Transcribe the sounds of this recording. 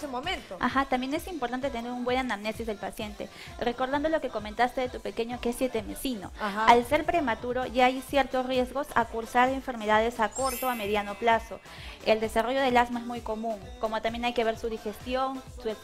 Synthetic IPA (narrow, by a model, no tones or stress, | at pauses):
semomẽnt̪oa̰xat̪ambje̞ne̞simpoɾt̪ant̪et̪eneɾumbwe̞nanamne̞sizðe̞lpasje̞nt̪e̞̰ | re̞ko̞ɾðand̪o̞lo̞ke̞ko̞ment̪ast̪e̞ðe̞t̪upe̞ke̞ɲokeesjet̪eme̞sino̞̰aalse̞ɾpɾe̞mat̪uɾo̞ʝaajsje̞ɾt̪o̞srje̞zɣo̞sa̰kuɾsaɾeɱfe̞ɾme̞ðað̞e̞sako̞ɾt̪o̞ame̞ðjano̞plaso̞ | e̞ld̪e̞saro̞ʝo̞ðe̞lazmaezmujkomũŋko̞mo̞t̪ambjenajke̞β̞e̞ɾsuð̞ixe̞st̪jo̞ŋsu